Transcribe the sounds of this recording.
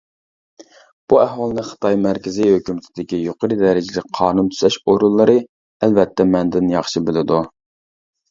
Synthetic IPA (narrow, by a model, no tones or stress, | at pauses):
b̥uæɦwɑlˠɨnɨχə̥t̪ʰɑjmæɾkʲɪzɪhøkʲymɪt̪ʰɪd̪ɪkʲijoqʰəɾɨd̪ɛɾɪd͡ʒɪlɪk̚ʲqʰɑːnunt̪ʰy̥zɛʃoɾunlˠɨɾɨ | ælvɛt̪ʰːɛmɛnd̪ɪnjɑχʃɨbɪlɪd̪u